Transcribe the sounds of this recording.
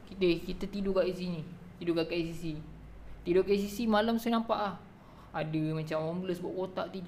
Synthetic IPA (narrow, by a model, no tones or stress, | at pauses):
kiekit̪at̪idukaʔdisini | t̪idukaʔkaisisi | t̪idokaʔisisimalamsonãmpaʔlah | adəmat͡ʃamambləsbuaʔkot̪aʔt̪id